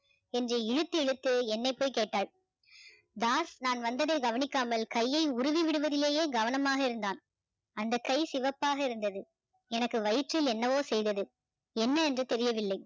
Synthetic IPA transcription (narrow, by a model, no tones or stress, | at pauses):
ɛndreːɪɻɯt̪ːɯɛɻɯt̪ːɯɛnːɐɪpːoːjkeːʈːaːɭ | d̪aːsnaːnʋɐnd̪ɐðɐɪɡɐʋɐnɪkːaːmɐlkɐjːɐɪʊɾʊʋiʋɪɽɯʋɐðɪleːjeːɡɐʋɐnɐmaːɣɐɪɾɯnd̪aːn | ɐnd̪ɐkːɐɪsɪʋɐpːaːɣɐɪɾɯnd̪ɐðɯ | ɛnɐkːɯʋɐjɪʈrɪlɛnːɐʋoːsɛjðɐðɯ | ɛnːɐɛndrɯt̪ɛɾɪjɐʋɪlːɐɪ